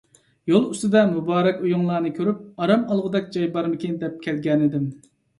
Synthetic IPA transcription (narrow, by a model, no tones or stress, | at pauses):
jolˠyst̪ɨd̪ɛnmubɑːɾɛkʲujuŋlˠɑːnɨkʲʰøɾyp̚ɑɾɑmɑlˠʁəd̪ɛk̚ʲd͡ʒɑjbɑɾmɪkʲʰind̪ɛp̚kʲʰɛlɡʲɛnɪd̪ɪm